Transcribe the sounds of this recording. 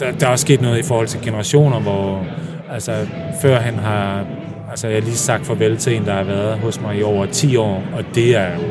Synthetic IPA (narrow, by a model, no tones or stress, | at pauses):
d̥ɑ̈æɒ̽sːɡ̥e̝̰ːd̥nɔ̽ːð̩ˠifɒːhɒ̽l̰t͡sʰe̝lɡ̥e̝nəʁɑ̈ɕo̝̰ːnɐʋɒ | ælsə | fɶɐ̰ɦænɦɑ̈ | ælsəjäliːsɑ̈ɡ̥d̥fɒ̽ʋelt͡sʰend̥ɑ̈hɑ̈ʋæɐð̩ˠɦɔ̽smɑ̈ɪiɒʊ̰ɐt͡sʰḭːɒ̰ːɒ̽d̥e̝æɐ